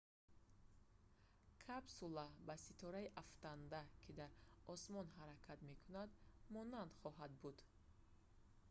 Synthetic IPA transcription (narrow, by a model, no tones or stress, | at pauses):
kʰabsulabasit̪ʰɔɾaiʔaft̪and̪akʰid̪aɾɔsmɔnɦaɾakʰat̪me̞kʰunad̪mɔnand̪χɔɦad̪̚bud̪̥